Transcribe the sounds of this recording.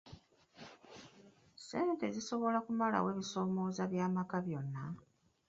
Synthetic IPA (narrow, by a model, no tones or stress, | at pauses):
se̞ːnte̞ziso̞βo̞lakumala̰we̞ːβiso̞ːmo̞ːzaβjaːmakaβjo̞nːa